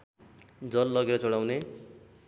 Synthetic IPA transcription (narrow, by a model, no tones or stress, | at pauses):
d͡zʌlːʌɡeɾʌt͡sʌɽawne